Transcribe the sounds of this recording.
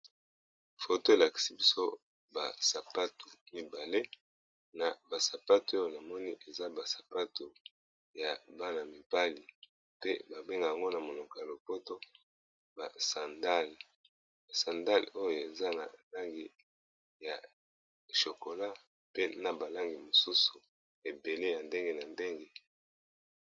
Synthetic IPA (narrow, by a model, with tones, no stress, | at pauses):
fo˨to˦e˨la˨ki̥˨si˦bi˦so˦ | ba̰˨sa˨pa˦tu˨mi˨ba˨le˦ | na˨ba˨sa˨pa˦tu˨o˦jo˨na˨mɔ˦ni˦ʔe˨za˦ba˨sḁ˨pa˦to˨ | ja˨ba˦na˨mi˨ba˦li˨ | pe˦ba˨be˦ŋɡa˨a˨ŋɡo˦na˨mo˨lo˨ka˨lo˨po˦to˦ | ba̰˨sa˨nda˦l | a˨sa˨nda˦lo˦jo˨e˨za˦na̰˨la˦ŋɡi˨ | ja˨ | ʃo˨ko˨la˦ | pe˦na˨ba˨la˦ŋɡi˨mo˨su˦su˨ | e˨be˨le˦ja˨nde˦ŋɡe˦na˨nde˦ŋɡe˦